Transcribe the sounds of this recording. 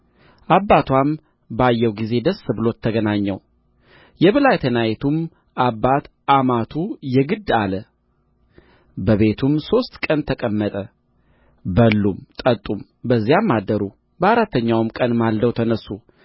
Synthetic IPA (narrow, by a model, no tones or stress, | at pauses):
ʔabːat̪wam | bajːɛwɡize̞d̪əsːɨbɨlo̞t̪ʰːəɡənaɲːɛw | jɛβɨlajt̪ʰənajt̪ʰum | ʔabːat̪ | ʔamat̪ʰujɛɡɨd̪ːalə | bəβe̞t̪ʰumso̞st̪ʼkʼənt̪ʰəkʼəmːət̪ʼə | bəlːumt̪ʼət̪ʼum | bəzːijamːad̪ːəɾu | bəaɾat̪ːəɲːawmkʼənmald̪əwt̪ʰənəsːu